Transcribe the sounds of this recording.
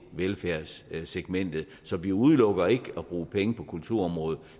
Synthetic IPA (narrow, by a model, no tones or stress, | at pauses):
ʋelfæɐ̰sseɡ̥men̰d̥ð̩ˠ | sɒ̽ʋiuð̞ˠlɔ̽ɡ̥ɐe̝ɡ̥əɒb̥ʁuːpʰeŋəpʰɒ̽kʰult͡sʰuɐ̰ɒ̽mʁɔ̽ːð̞̩ˠ